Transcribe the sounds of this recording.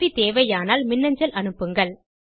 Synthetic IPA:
it̪eːʋɐjaːnaːlmɪnːɐɲd͡ʒɐlʔɐnɯpːɯŋɡɐɭ

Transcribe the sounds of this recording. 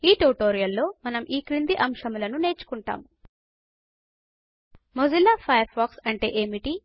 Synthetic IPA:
iːʈuʈoːɾijɐlːo̞ːmɐnɐmʔiːkɾind̪iʔɐmʂɐmulɐnune̞ːt͡ʃu̥kuɳʈa̰ːmu | mozilaːpʰɐjɐɾpʰaːksɐɳʈe̞̰ːʔeːmiʈi

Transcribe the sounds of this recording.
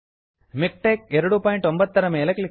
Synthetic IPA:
mɪk̚ʈeːk̚ɛɾɯɽɯpaːjɪɳʈɔmbɐðt̪ːɐɾɐmeɪlɐklɪ

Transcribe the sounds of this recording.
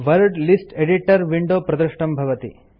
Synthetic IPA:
ʋɐɾɖlisʈeɖiʈɐɾʋiɳɖoːpɾɐd̪ɐʂʈɐmbʱɐʋɐt̪ḭ

